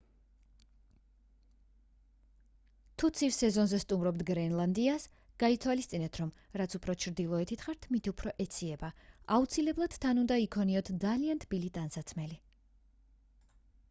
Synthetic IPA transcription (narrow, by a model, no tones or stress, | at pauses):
t̪ʰut̪sʰifsɛzɔnzɛst̪ʼumɾɔbd̪ɡɾɛnlˠand̪ias | ɡ̥ait̪ʰwalist̪sʼinɛt̪ʰɾɔm | ɾat̪sʰupʰɾɔt͡ʃʰɾd̪ilˠɔɛt̪ʰit̪ʰχaɾt̪ʰmit̪ʰiupʰɾɔʔɛt̪sʰiɛbaaut̪sʰilɛblˠad̪̥t̪ʰanund̪aikʰɔniɔt̪ʰd̪zaliant̪ʰbilit̪ʼansat̪sʰmɛli